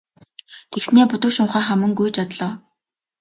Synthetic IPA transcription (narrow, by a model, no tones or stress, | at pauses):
t̪ʰeksneːpʊt̪ə̆wʃʊɴχæːχæmɘ̆ŋɡujt͡ɕɔt̪ɮɔː